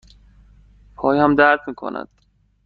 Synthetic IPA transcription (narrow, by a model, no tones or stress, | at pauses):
pʰɒːjhæmd̪æɾt̪miːkʰo̰næ̰d̪̥